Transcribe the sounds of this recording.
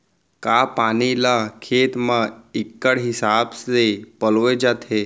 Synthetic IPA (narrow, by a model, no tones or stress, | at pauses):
kapañilakʰet̪mãikːəɽɦisabsepəlʋed͡ʒat̪ʰe